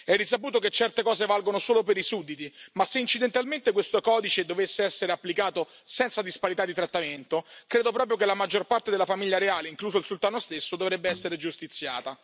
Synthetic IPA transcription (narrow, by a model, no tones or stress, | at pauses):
ɛrːis̬apuːt̪oket͡ʃːɛrt̪ekɔːzevalɡonosoːlopeɾisud̪ːit̪imasːeint͡ʃid̪ent̪alment̪ekwest̪okɔːd̪it͡ʃed̪ovesːeɛsːeɾeapːlikaːt̪osɛnt̪sad̪ispaɾit̪ad̪ːit̪ɾat̪ːament̪okɾeːd̪opɾɔːp̬ɾjok̬elamad͡ʒːorpart̪ed̪elafamiʎːaɾeaːleiŋkluːzoilsult̪aːnost̪esːod̪ovɾɛbːeɛsːeɾed͡ʒust̪it̪sːja̰ːt̪a